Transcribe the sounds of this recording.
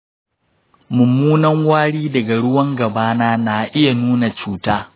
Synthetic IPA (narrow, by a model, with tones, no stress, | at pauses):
mʊ˨mːuː˦nɐ˦ŋwaː˦ɽiː˦dɐ˨ɡa˨ɽʊ˦wɐ˦ŋɡɐ˨baː˦naː˦na˨ʔɪ˦ja˨nuː˦na˨t͡ʃuː˦taː˦